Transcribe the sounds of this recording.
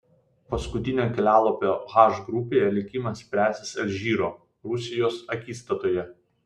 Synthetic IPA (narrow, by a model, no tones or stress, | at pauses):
pɐskʊt̪ʲɪnʲoːkʲɛlʲæːlˠoːpʲoːɣɑˑʒɡɾʊpʲeːjɛlʲɪkʲɪmɐsʲpʲɾʲæːsʲɪsɐlʲʒʲiːɾoː | ɾʊsʲɪjoːsɐkʲiːst̪ɐt̪oːjɛ